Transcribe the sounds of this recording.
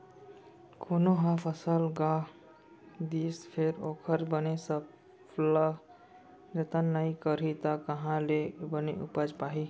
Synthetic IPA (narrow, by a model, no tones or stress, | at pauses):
kʰonoɦãpʰəsəlɡã | d̪ispʰeɾokʰəɾbənesə | lə | d͡ʒət̪ənnːəikəɾit̪əkəɦãlebəneʔupəd͡ʒpaɦi